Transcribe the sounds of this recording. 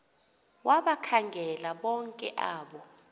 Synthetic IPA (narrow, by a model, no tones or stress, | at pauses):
waɓakʰaŋɡʱɛlaɓɔŋkʼɛʔaːɓɔ